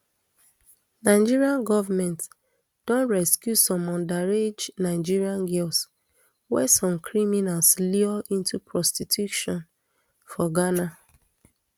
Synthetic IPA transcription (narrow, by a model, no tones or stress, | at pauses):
naɪd͡ʒiɹiãnɡɔvamɛ̃nt | d̥ɔ̃nɹɛskjusɔ̃mɔ̃ndaɹed͡ʒnaɪd͡ʒiɹiãnɡɛls | wɛsɔ̃mkʰɹiminalsliɔʔĩntupʰɹɔstitʰjuʃɔ̃n | fɔɡana